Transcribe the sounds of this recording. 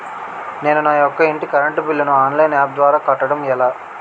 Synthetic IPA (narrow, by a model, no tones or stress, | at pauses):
ne̞ːnunaːjɔkːɐiɳʈikɐɾɐɳʈupilːɐnuaːnlejnaːp̚d̪ʋaːɾaːkɐʈːɐɽɐmɛlaː